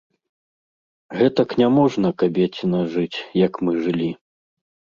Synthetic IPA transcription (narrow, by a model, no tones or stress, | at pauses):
ɣɛt̪ɐknʲamɔʐnɐkabʲet͡sʲinɐʐɨt͡sʲjɐkmɨʐɨlʲi